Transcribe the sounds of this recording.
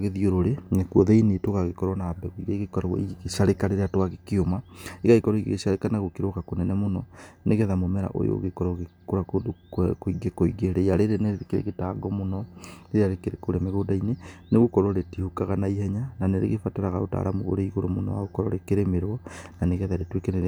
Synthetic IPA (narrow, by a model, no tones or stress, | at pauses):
ɣeðioɾoɾenekɔðeinetoɣaɣekɔɾwɔnaːbɛɣuiɾaiɣekɔɾɔ̰iɣeɣeʃaɾekaɾeɾatwaɣekiomaeɣaekɔɾɔiɣḛɣeʃaɾekanaɣokeɾokakonɛnɛmonɔneɣɛðamomɛɾa̰ʔo̰jo̰ɣekɔɾɔɣekoɾakodkoiɡekoiɡeɾeaɾeɾeneekeɾḛɣetaːɡɔmonɔɾeɾeaɾekeɾekoɾemeɣoːdaineneɣokɔɾoɾetihokaɣanaihɛɲananeɾḛɣefataɾaɣaota̰ːɾamoɣo̰ɾeiɣoɾomonɔ̰wa̰ɣokɔɾɔɾekeɾemeɾwɔnaneɣɛðaɾetwekeneɾ